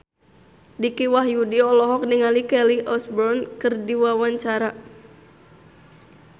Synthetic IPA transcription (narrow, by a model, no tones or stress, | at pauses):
dikiwahjudiɔlɔɦɔk̚nəŋalikɛliʔɔsbɔrnkɨrdiwawaɲt͡ʃaɾa